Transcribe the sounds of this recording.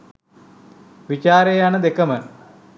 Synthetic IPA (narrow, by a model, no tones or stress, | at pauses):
ʋit͡ɕaːɾejanɐd̪ekːɐmə